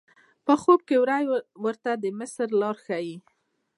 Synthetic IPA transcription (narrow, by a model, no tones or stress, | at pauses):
pəxob̚kewɾajwəɾt̪ad̪əmɪsɾlɑɾxaji